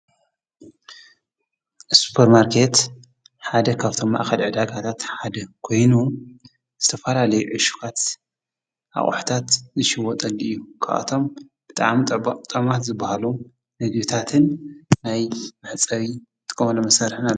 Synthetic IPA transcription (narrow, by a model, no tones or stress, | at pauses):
su̥pʰeɾmaɾkʰe̞t̪ | ħad̪ɐkʰaβt̪ʰo̞mːa̰ʔxɐlʕɨd̪aɡat̪ʰat̪ħad̪ɐkʰo̞jnu | z̥ɨt̪ʰɐfɐlalɐjuʕɨʃu̥kʰat̪ | ʔa̰χʼħt̪ʰat̪zɨʃɪwɔt̪ʼɐlɨjːukʰa̰ʔa̰t̪ʰo̞m | b̥ɨt̪ʼa̰ʕmt̪ʼɐmat̪zɨbːahalu | nɨɡbit̪ʰat̪ʰɨnːajmɨħt͡sʼɐɾit̪ʼɨ̥kʼɐmɐlomɐsaɾħɨna